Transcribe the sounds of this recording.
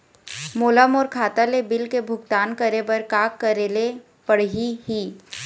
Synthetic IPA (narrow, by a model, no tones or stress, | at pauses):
moːləmɔːɾkʰaːt̪alebɪlkebʱʊɡ̚t̪aːnkəɾebəɾkaːkːəɾele | pəɽ̤ɦiɦiː